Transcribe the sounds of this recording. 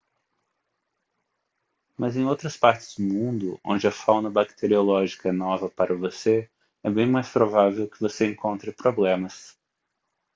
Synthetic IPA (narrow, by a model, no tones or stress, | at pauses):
mɐzẽj̃owt̪ɾɐspaɾt͡ʃɪ̥z̥d̪ʊmũnd̪ʊõ̰nd͡ʒɪɐfawnɐbakt̪ʰeɾiolɔʒikɐɛnɔvɐpaɾʔɐvose | ɛbẽj̃majspɾovavewkɪvoseẽŋkõnt̪ɾɪpɾoblẽmɐs